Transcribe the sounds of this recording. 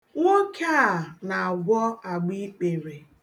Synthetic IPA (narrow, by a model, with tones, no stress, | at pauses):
ŋo˦kʰa˦˨na˨a˨ɡʷɔ˦a˨ɡ͡bi˦k͡pe˨ɾe˨